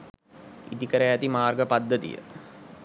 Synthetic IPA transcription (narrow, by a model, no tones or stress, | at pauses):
ḭt̪ikəɾəjæt̪imaːrɡəpad̪ːət̪ḭjə̰